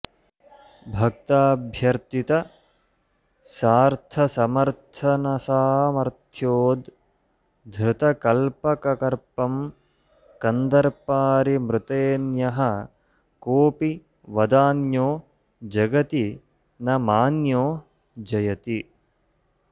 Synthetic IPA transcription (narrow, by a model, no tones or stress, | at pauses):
bʱɐk̚t̪aːbʱjɐɾt̪it̪ɐ | saːɾt̪ʰɐsɐmɐɾt̪ʰɐnɐsaːmɐɾt̪ʰjoːd̪ | d̪ʱɾɪt̪ɐkɐlpɐkɐkɐɾpɐm | kɐnd̪ɐɾpaːɾimɾɪt̪eːnjɐɦɐ̆ | koːpi | ʋɐd̪aːnjoː | d͡ʒɐɡɐt̪i | nɐmaːnjoː | d͡ʒɐjɐt̪i